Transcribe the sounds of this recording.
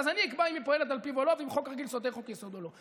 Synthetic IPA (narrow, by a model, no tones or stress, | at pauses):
zaniikbaimjepoelet̪alpivolovimχokʁaɡilsot̪eχokjesod̪olo